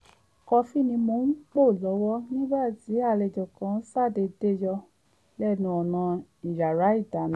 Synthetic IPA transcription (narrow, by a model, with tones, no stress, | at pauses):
kɔ˧fi˦˨nĩ˧mo˧˦k͡po˦˨lɔ˨˦wɔ˦nĩ˦ba˦˨ti˨˦a˦˨lɛ˨d͡ʒɔ˨kã˨˦sa˦˨de˧de˦jɔ˧ | lɛ˦˨nũ˧˦ɔ˨nã˧i˨ja˨ɾa˨˦i˦˨da˨˦˨ñ˨˦